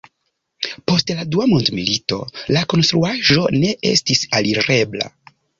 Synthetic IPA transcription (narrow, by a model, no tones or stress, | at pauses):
po̞stladuamundmilito̞̰lako̞nst̪ɾuaʒo̞ne̞ʔe̞̰stisaliɾe̞bla̰